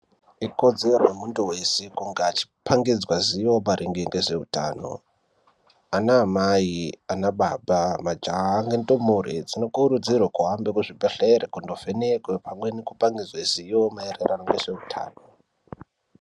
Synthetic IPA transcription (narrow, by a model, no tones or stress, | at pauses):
iko̞d͡ze̞rwemuntuwe̞sekuŋɡaːt͡ʃi̥paŋɡid͡zwaziwomaɾiŋɡeŋɡe̞ʐe̞uta̰ːno̞̰ | anaːmaianaɓaɓamad͡ʒaːŋɡentomuɾḛd͡zino̞kuɾud͡zirwakuɦambekuʐibʱeɬeɾekundovenekwepʰamwe̞nikupaŋɡid͡zwaziomaereranoŋɡeʐ̥e̞utʰa̰ːno̞